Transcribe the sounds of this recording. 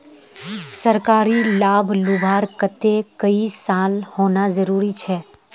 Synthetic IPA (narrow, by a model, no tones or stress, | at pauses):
sɐɾkaːɾilaːbʱlʊbʱaːɾkət̪ekəisaːlhoːnazəɾuːɾit͡ʃʰɛː